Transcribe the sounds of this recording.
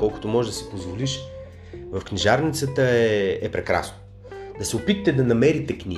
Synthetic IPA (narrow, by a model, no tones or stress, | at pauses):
kɔlˠkʊ̥t̪omɔʒɛd̪ɐsɛ̥pozvoliʃ | vəfknʲiʒaɾnit̪sət̪əɛɛpɾɛkɾa̰sno̥ | d̪ɐsɛʊpit̪ət̪ɛd̪ɐnɐmɛɾit̪ɛknʲi